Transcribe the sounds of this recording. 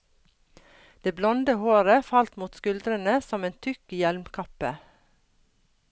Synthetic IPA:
d̪̥eːblɔnd̪əhoːɾəfɑlt̪muːt̪skʉld̪ɾənəsɔmeːnt̪ʰʏkjɛlmkʰɑpə

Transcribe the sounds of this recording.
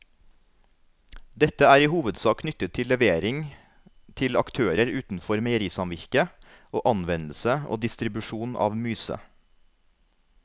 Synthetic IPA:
d̪ɛt̪əæːɾiːhuːʋəd̪sɑːkʰnʏt̪ət̪ʰːɪlɛʋeːɾɪŋ | t̪ʰɪlɑkt̪ʰøːɾəɾʉːt̪n̩fɔɾmɛɪɾiːsɑmʋɪɾkə | ʔoːʔɑnʋɛnl̩səʔo̰ːd̪ɪst̪ɾɪbʉʃuːnʔɑ̰ːʋmyːsə̰

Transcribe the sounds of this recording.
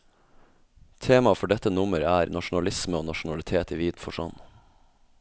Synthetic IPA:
t̪ʰeːmɑfɔɖɛt̪ənʊməɾæːɾnɑʃʊn̩ɑlɪsməoːnɑʃn̩ɑlɪt̪ʰeːt̪iːʋiːd̪nfɔʂɑ̰n

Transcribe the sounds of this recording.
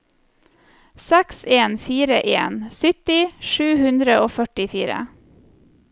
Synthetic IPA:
sɛkseːnfiːɾəʔeːnsʏt̪ɪʃʉːhʉnd̪ɾəʔoːfœʈɪfiːɾə̰

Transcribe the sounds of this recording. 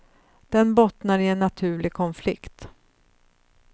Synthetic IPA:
d̪̥ɛnbɔt̪naɾɪɛnːat̪ʰʉ̟ːɭɪɡkʰɔnflɪ̰kt̪

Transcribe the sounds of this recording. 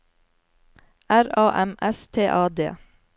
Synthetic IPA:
ʔæɾɑːʔɛmʔɛst̪ʰeːʔɑːd̪ḛː

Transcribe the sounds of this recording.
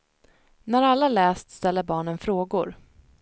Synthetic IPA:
næɾalːalɛːst̪st̪ɛlːəɾbɑːɳənfɾoːɡʊɾ

